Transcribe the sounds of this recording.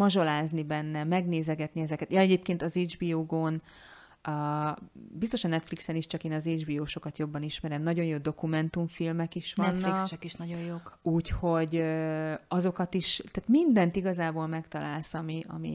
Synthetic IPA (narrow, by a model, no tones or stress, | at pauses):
mɒʒo̞laːznibɛnːɛmɛɡneːzɛɡɛt̪niɛzɛkɛt̪jɒɛɟeːpkeːnt̪ɒzeːd͡ʒbioːɡoːnː | bist̪o̞ʃɒnɛt̪fliksɛniʃt͡ʃɒkeːnɒzeːd͡ʒbiːoːʃo̞kɒt̪jo̞bːɒniʃmɛɾɛmnɒɟo̞njjoːd̪o̞kumɛnt̪uɱfilmɛkiʃʋɒnːliɒkɛkiʃnɒɟojjokuːcho̞ɟ | ɒzo̞kɒt̪iʃt̪aːt̪mind̪ɛnt̪iɡɒzaːboːlmɛkt̪ɒlaːlsɒmiʔɒ̰mḭ